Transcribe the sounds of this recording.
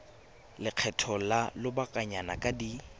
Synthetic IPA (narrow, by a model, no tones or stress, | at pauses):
lɪq͡χʰɛtʰɔlalʊbakʼaɲanakʼadi